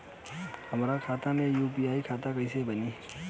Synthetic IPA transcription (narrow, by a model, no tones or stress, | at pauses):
həmɾakʰaːt̪ãnẽjuːpiaːikʰaːt̪akɐisebəniː